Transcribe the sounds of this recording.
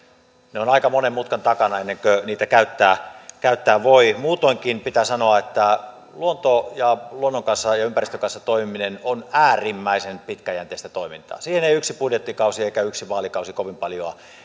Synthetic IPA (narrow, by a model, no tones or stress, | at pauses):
neonɑikɑmonemmut̪kɑnt̪ɑkɑnɑenːeŋkøniːt̪ækæyt̪ːæːkæyt̪ːæːʋoimuːt̪oiŋkinpit̪æsɑnoɑet̪ːæ | luont̪ojɑluonːoŋkɑnsːɑjɑympærist̪økɑnsːɑt̪oimiminenonæːrimːæisenpit̪kæjænt̪ˑeˑːst̪æt̪oimint̪ɑ̰ːsiːheneiyksipudjet̪ːikɑusieikæyksiʋɑːlikɑusikoʋimpɑljoɑ